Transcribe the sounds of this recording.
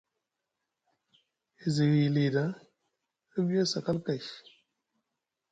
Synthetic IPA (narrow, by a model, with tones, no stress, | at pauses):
i˨zi˨ɣi˨li˨da˦ | ə˦bi˦a˦sa˨ka˦lka˨ʃ